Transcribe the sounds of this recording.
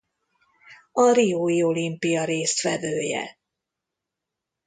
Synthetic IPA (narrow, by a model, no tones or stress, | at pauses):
ɒɾioːjio̞limpijɒɾeːst̪fɛd̪øːjɛ̰